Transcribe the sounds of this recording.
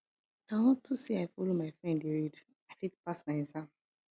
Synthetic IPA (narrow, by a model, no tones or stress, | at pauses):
aɪwɔ̃ntʰusiaɪfolomaɪfɹɛ̃ndiɹid | afitpasmaɪ̃zãm